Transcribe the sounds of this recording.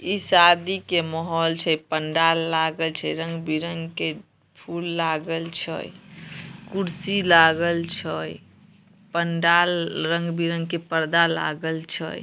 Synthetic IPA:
isad̪ikemɔɦɔlt͡ʃʰəjpəɳɖalːaɡəlt͡ʃʰə̰jɾə̃ŋɡbiɾəŋɡke | pʰulːaɡəlt͡ʃʰə̰j | kuɾsilaɡəlt͡ʃʰəj | pəɳɖalɾə̃ŋɡbiɾəŋɡkepəɾd̪ala̰ɡəlt͡ʃʰə̰j

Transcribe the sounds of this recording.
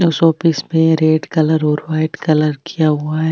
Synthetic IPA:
ʊsɔːpɪsmẽɾeːɖkɐləɾɔːɾwaːɪʈkɐləɾkijaɦʊaɦɛ

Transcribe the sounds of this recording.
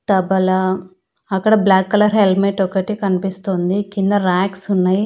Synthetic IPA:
t̪ɐbɐlɐ | ɐkːɐɽɐblaːkːɐlɐɾɦelmeʈɔkɐʈikɐnipist̪ond̪ikind̪ɐɾaːksunːaji

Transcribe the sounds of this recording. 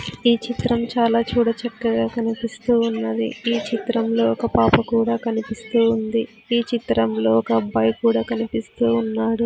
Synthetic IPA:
iːt͡ʃit̪ɾɐmt͡ʃaːlaːt͡ʃuːɽɐt͡ʃɐkːɐɡaːkɐnipist̪uːunːɐd̪ḭiːt͡ʃit̪ɾɐmlo̞ːɔkɐpaːpɐkuːɽaːkɐnipist̪uːund̪i | iːt͡ʃit̪ɾɐmlo̞ːɔkɐbɐjkuːɽaːkɐnipist̪uːnːaːɽu

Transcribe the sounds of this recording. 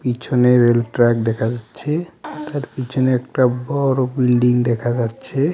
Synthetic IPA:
pit͡ɕʰoneɾelʈɾɛk̚d̪ɛkʰad͡ʑatːɕʰet̪aɾpit͡ɕʰoneɛk̚ʈabɔɾobilɖiŋd̪ɛkʰad͡ʑatːɕʰe

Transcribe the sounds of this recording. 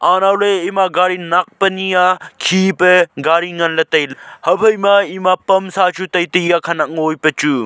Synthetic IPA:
aːnaːwleimaːɡaːɾinɐk̚pɐnijaːkʰiːpeɡaːɾiŋɡɐnlɐt̪ɐjlhɐbɐimaːimapɐmsaːt͡ʃʰut̪ɐjt̪ijaːkʰɐnɐŋoːjpɐt͡ʃu

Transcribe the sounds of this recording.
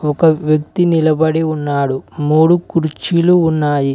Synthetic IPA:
ɔkɐʋjɐk̚t̪inilɐbɐɽiunːaːɽumuːɽukuɾt͡ʃiluːnːaːji

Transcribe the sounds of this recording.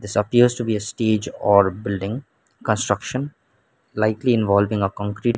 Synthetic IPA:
d̪ɪsəpiəɾzʈubiːəsʈeːd͡ʒɔːɾbɪlɖɪ̃ŋ | kə̃nsʈɾʌkʃə̃n | laɪkliɪ̃nʋɔːlʋɪ̃ŋəkɔ̃ŋkɾiːʈ

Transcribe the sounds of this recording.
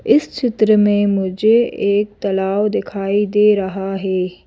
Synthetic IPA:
ɪst͡ʃʰɪt̪ɾəmẽmʊd͡ʒʱeːk̚t̪ɐlaːwd̪ɪkʰaːid̪eːɾɐɦaɦeː

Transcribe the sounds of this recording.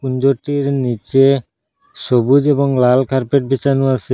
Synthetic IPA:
und͡ʑoʈiɾnit͡ɕe | ʃobud͡ʑeboŋlalkʰaɾpeʈ̚bit͡ɕanuat͡ɕʰe

